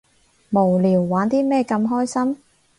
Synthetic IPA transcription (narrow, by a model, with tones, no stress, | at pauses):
mo˨˩wliː˨˩wːaː˨˥nt̪iː˥mɛː˥˧kɐ˧mɦɔː˥jsɐ˥m